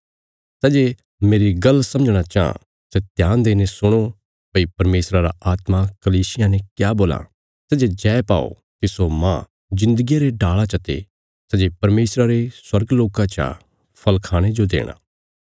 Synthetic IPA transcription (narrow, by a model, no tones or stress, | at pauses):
sɛːd͡ʒe | meːɾiɡɐlsɐ̃məd͡ʒɽ̃at͡ʃaã̰ | sɛt̪jãːnd̪eːnesʊɽ̃o | pɐipɐɾmeːsɾaɾaaːt̪makɐliːsɪjãnekjaːboːlã̰ | sɛd͡ʒed͡ʒɛːpa̰ːo̰ | kisomã̰ | d͡ʒɪ̃nd̪əɡijaɾeɖaːɭat͡ʃɐt̪ḛ | sɛd͡ʒepɐɾmeːsɾaɾeswɐɾɡloːkãt͡ʃa̰ | pʰɐlkʰaːɽ̃ed͡ʒod̪ḛːɽ̃a̰ː